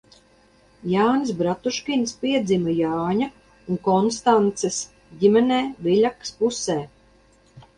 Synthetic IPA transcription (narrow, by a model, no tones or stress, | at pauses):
jaːnsbɾat̪uʃkʲinspiɛd̪zʲimajaːɲa | uŋkɔnst̪ant̪ses | ɟimɛnɛːvilʲakspusɛː